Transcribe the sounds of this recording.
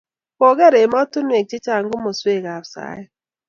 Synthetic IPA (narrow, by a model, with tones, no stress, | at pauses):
po˨ɡe˦ɾe˨mɔ˦tʊ˦n˦e˨k̚t͡ʃɪ˦t͡ʃa˦˨ŋ̩˦ɡʊ˦mo˨swe˦˨ɣa˨fsa̰˨˦ɪ˦